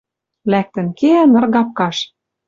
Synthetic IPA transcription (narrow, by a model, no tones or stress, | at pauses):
læk̚t̪ɘ̆nkeænɤ̆rɣɑp̚kɑʃ